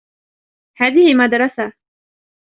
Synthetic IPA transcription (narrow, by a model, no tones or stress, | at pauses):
haːðɪhɪmad̪ɾˤɑsa